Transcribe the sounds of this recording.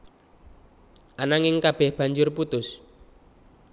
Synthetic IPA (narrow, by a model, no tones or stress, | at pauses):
ʔanaŋɪŋkab̥ɛhb̥a̤ɲd͡ʒʊrput̪ʊs